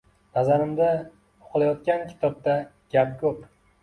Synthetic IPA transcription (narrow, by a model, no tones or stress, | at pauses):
nazaɾɪmd̪a | o̥qʰɨlˠajɒt̪̚kʲankʲʰɪ̥t̪ʰɒb̚t̪a | ɡ̥ʲap̚kʲʰɵp